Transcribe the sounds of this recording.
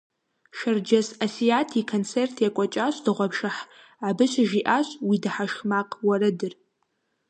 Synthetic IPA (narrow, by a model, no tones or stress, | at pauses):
ʃɐrd͡ʒɐsasijatʰikʰont͡sʰertʰjakʷʼɔt͡ʃʼaɕd̥ɨʁʷɔpʃɨħ | abɨɕɨʒiʔaːɕwidɨħaʃxmaqʼwɐrɨdɨr